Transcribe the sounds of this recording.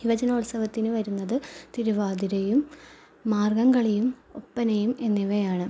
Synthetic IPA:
iʋɐd͡ʑɐnɐuɭsɐʋɐt̪ːinɨʋɐɾunːɐðɨt̪iɾuʋaːd̪iɾɐjumː | aːrɡɐŋɡɐɭejumo̞̰pːɐnɐjume̞nːiʋɐjaːɳɨ

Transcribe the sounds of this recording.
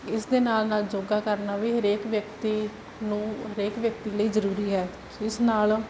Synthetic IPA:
ɪsd̪eːnaːlnaːld͡ʒoːɡaːkəɾnaːʋiːɦəɾeːkʋjək̚t̪iː | nũːɦəɾeːkʋjək̚t̪iːləiːzəɾuːɾiːɦɛː | ɪsnaːl

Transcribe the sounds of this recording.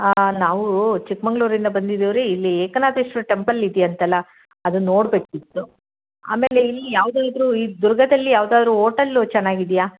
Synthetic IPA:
naːʋut͡ʃikmɐŋɡɭuːɾind̪ɐbɐnd̪id̪iʋɾeilːieːkɐnaːd̪ɐʂʈuʈe̞mpɐlid̪ijɐnt̪ɐlːɐ | ɐd̪uno̞ːɽbeːkit̪ːu | a̰ːme̞ːle̞ilːijaːʋd̪aːd̪ɾuːiːd̪uɾɡɐd̪ɐlːijaːʋd̪aːd̪ɾuːɦoːʈɐlut͡ʃɛnːaːɡid̪ijaː

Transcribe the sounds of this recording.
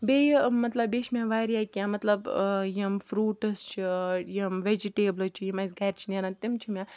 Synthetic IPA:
bejimɐt̪lɐbeːʃʰmʲãːʋaːɾijaːkʲiãːmɐt̪lɐbjimfɾuːʈɐst͡ʃʰijimʋed͡ʒiʈeːblɨt͡ʃʰijimas̬ɡaːɾt͡ʃʰineɾant̪imt͡ʃʰimʲãː

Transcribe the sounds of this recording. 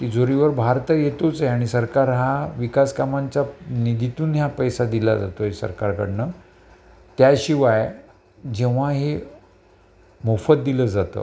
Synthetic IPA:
t̪id͡zoɾiʋəɾbʱaɾt̪əjet̪ot͡seaɽ̃isəɾkaɾɦaʋikaskamaɲt͡ɕanid̪ʱit̪uːnɦjapəjsad̪ila̰d͡za̰t̪oɦesə̰ɾkaɾkə̰ɽnə | t̪jaɕiʋaj | d͡ʑeʋ̤aɦe | mofət̪̚d̪iləd͡zat̪ə̰ː

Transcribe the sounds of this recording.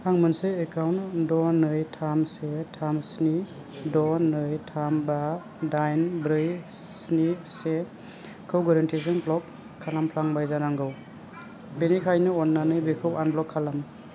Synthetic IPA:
hʰaŋmɯnseːkawndɔnɯjtʰamsetʰamsni | dɔnɯjtʰamba | dajnbɾɯj | snise | kʰɯwɡɔɾɔntʰis̬ɯnpʰlɔkʰː | alampʰlaŋbajzanaŋɡɯw | benikʰajnɯɔnːanɯjbekʰɯwanblɔkʰːalam

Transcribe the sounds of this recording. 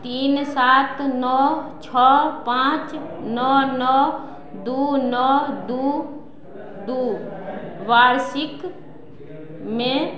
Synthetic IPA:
t̪iːnsaːt̪nɔt͡ʃʰɔːpãːt͡ʃnɔnɔː | d̪uːnɔd̪uː | d̪uː | ʋaːɾsɪk | mẽ

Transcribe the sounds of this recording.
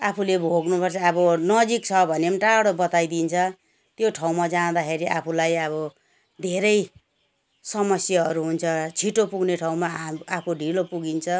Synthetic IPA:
apʰulebʱoɡnupʌrt͡sʰʌːbʌnʌd͡zikt͡sʰʌbʱʌnemʈaɽobʌt̪ajd̪int͡sʰʌ | t̪joʈʰaw̃mad͡zãd̪akʰeɾiʔapʰulajʌβʌ | d̪ʱeɾʌj | sʌmʌsjaʌɾuɦunt͡sʰʌt͡sʰiʈopuɡneʈʰaw̃maapʰoɖʱilopuɡint͡sʰʌ

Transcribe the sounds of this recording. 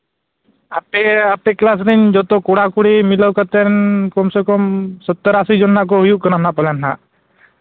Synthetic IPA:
apeapeklas̬ɾind͡ʒɔt̪ɔkɔɽakuɽimiləwkət̪ɛnkɔmsekɔmsɔt̪ːəɾasid͡ʒɔnːaʔk̬ɔɦujuk̚kənanapɔlɛnɦaʔ

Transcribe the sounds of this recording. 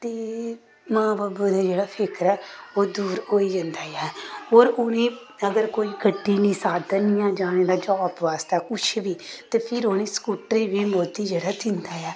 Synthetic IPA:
t̪eː | mãːbaːbuːd̪eːd͡ʒeːɽaːpʰɪkɾɛːoːd̪uːɾoːiːd͡ʒənd̪aːjɛːoːɾʊnẽː | əɡəɾkoːiːkəʈːiːnĩːsaːd̪ənɪjãːd͡ʒaːɽeːɖaːd͡ʒɔːpʋaːst̪ɛːkʊt͡ʃʰbiːt̪eːpʰɪɾonẽːskuːʈɾiːʋiːmoːd̪iːd͡ʒeːɽaːd̪ɪnd̪aːjɛː

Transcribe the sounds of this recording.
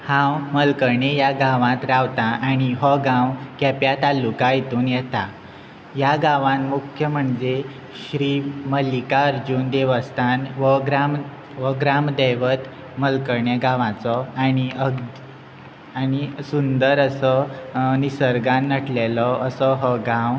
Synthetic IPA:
hãwməlkəɾɳejaɡãʋãt̪ɾaʋt̪aʔaɽ̃iɦɔɡãwkɛpjat̪alːukaɦit̪uːnjɛt̪a | jaɡãʋãnmukʰjəm̤əɳd͡ze | ɕɾiːməlikaəɾd͡ʑuːnd̪eʋəst̪ʰanʋəɡɾam | ʋəɡɾamd̪əʋət̪ | məlkəɾɳjeɡãʋãt͡sɔañiəɡ | aɽ̃isund̪əɾəsɔnisəɾɡãnːəʈʰlelɔʔəsɔɦɔɡãw

